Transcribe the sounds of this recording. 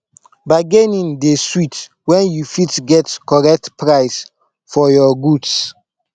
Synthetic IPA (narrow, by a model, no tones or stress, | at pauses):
baɪɡenĩndeswit | wɛ̃njufitɡɛtkɔɹɛk̚tpɹaɪs | fɔjɔɡuds